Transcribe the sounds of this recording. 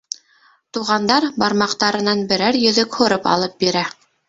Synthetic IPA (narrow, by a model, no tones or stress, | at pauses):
t̪uʁɑnd̪ɑɾbɑɾmɑqt̪ɑɾɤ̆nɑnbɘ̆ɾæɾjɵ̆ðɵkhŏɾɤpɑ̰lˠɤp̚biɾæ